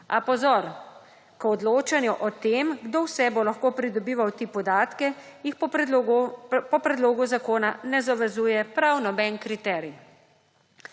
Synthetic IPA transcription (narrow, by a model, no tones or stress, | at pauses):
apɔzɔɾ | kɔd̪loːt͡ʃanjuʔɔt̪eːmɡd̪owsɛbolaxkoːpɾid̪ɔbiːʋawt̪ipɔd̪aːt̪kɛjix | pɔpɾɛd̪loːɡuzakoːnanɛzaʋɛzuːjɛpɾawnɔbɛnkɾit̪ɛɾi